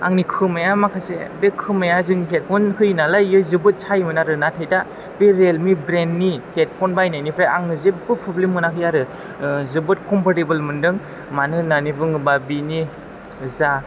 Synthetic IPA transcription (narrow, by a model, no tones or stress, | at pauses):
a̰ŋnikʰɯmajamakʰasḛbekʰɯmajazɯŋkʰet̚kʰunhɯjnalajːɯzɯbɯt̚sʰajmɯnaɾɯnatʰajda | b̥eɾelmibɾenːihʰet̚pʰɔnbajnajnipʰɾeʔaŋnɯzebɯpʰublimɯnakʰɯjaɾɯ | zɯbɯt̚kʰɔmpaɾtibɯlmɯndɯŋ | manɯnanibɯŋɯbabini | za